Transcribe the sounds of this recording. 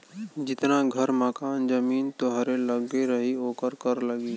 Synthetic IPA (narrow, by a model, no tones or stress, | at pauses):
d͡ʒɪt̪naɡʱɐɾməkaːnd͡ʒɐmiːnt̪oɦəɾelɐɡbeɾəɦioːkəɾkɐɾlɐɡiː